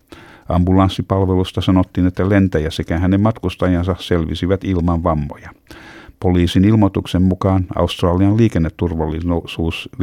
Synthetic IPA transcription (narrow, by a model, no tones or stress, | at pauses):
ʔɑmbulɑnsːipɑlʋelust̪ɑsɑnot̪ːiːnet̪ːælent̪æjæsekæɦænemmɑt̪kust̪ɑjɑnsɑselʋḭsiʋæt̪ilmɑʋʋɑmːo̰jɑpoliːsinilmot̪uksemmukɑːnɑ̰ust̪rɑːliɑlliːkenːet̪ːurʋɑlːisuːs